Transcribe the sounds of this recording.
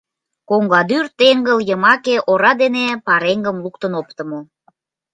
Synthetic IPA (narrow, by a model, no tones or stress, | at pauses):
koŋɡɑd̪yrt̪eŋɡəljəmɑkeʔoɾɑd̪enepɑɾeŋɡəmluk̚t̪ənopt̪əmo